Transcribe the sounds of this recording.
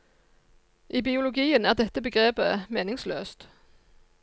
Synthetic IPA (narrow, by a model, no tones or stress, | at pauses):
ʔiːbɪʊlʊɡiːənæːʁd̪ɛt̪əbəɡʁeːpəmeːnɪŋsløːst̪